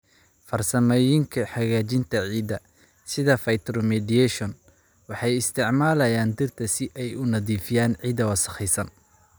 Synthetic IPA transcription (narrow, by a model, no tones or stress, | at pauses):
fɐrsɐmɛjɪŋkʰɐħɑɣaːt͡ʃɪnt̪ʰɐʕiːd̪ɐ | sɪðɐfɐjt̪ʰɾɔmɛdiɛʃɔn | wɑħɑjɪst̪ʰɪʕmaːlɐjaːnd̪ɪrt̪ʰɐsɪʔɛjʊnɐðiːfɪjaːnʕiːd̪ɐwɐsɐ̥χɛjsɐn